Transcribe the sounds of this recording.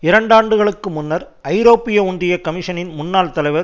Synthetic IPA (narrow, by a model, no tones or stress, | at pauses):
ɪɾɐɳɖaːɳɖɯɣɐɭɯkːɯmʊnːɐɾ | ɐɪɾoːpːɪjɐʊɳdrɪjɐkɐmɪʂɐnɪnmʊnːaːlt̪ɐlɐɪʋɐɾ